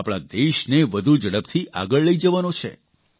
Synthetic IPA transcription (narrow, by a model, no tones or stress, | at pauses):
apɽ̃a̰d̪eʃneʋəd̪ʱud͡ʒəɽəpt̪ʰiʔa̰ɡəɭːəid͡ʒəʋanot͡ʃʰḛ